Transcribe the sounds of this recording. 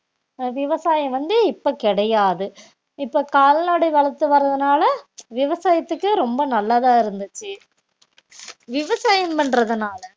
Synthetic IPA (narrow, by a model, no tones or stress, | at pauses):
ʋɪʋɐsaːjɐ̃mʋɐnd̪ɯɪpːoːkɪɽɐjaːðɯ | ɪpːoːkaːlnaːɽɐʋɐɭɐt̪ːɯʋɐɾɐðɯnaːlɐʋɪʋɐsaːjɐt̪ːɯkːɯɾɔmbɐnɐlːaðãːɪɾɯnd̪ɯt͡ʃːɯ | ʋɪʋɐsaːjɐmpɐɳrɐðɯnaːlɐ